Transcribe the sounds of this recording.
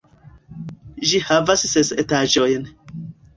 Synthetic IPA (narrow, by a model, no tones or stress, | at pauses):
ʒihavasːesetaʒo̞jn